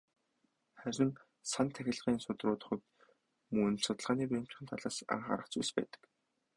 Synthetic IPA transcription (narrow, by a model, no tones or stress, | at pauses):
χæɾʲɪ̆n | sant̪ʰæxʲɪ̆ɮʁiːnsʊt̪rʊːt̪ə̆χɞ̆t̪ | mun̆sʊt̪ə̆ɮʁaːniːpem̥t͡ɕχʲɪ̆nt̪ʰaɮaːsa̰ɴχa̰ɾə̆χt͡sujspæ̰ːt̪ə̥̆k